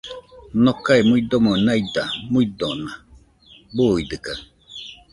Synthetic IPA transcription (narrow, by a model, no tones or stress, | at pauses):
nokaimuid̪omonaid̪amuid̪ona | buid̪ɨkaŋ